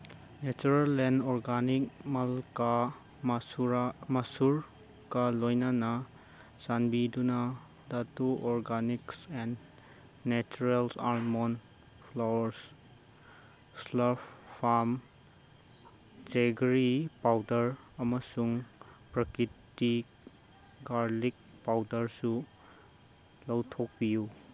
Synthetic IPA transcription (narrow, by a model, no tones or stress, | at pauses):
net͡ʃuɾelenɔɾɡanik̚malka | ɾamɐsuɾ | kɐlojnanɐ | sanbidunɐ | datuʔɔɾɡaniksenː | et͡ʃuɾelsaɾmon | pʰlawɐɾs | slɐɾppʰːam | d͡ʒeɡɾipawdɐɾ | ɐmɐsuŋpɾɐkɾiti | ɡaɾlik̚ | pawdɐɾsu | lɐwtʰok̚biju